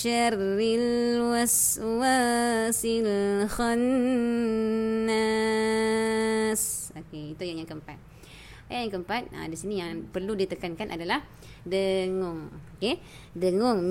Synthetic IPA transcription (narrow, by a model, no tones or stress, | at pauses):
ərːilwas | wasilxɔn | a | sokeit̪ujaŋjaŋkəmpat̪̚ | ajaʔjaŋkəmpat̪̚a̰disinijaŋpərludit̪əkankanʔa̰dalah | dəŋʊŋoke | dəŋʊŋ